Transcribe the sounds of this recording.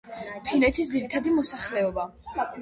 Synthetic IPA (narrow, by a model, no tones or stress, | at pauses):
pʰinɛt̪ʰis̬d̪ziɾit̪ʰad̪imɔsaχlɛɔba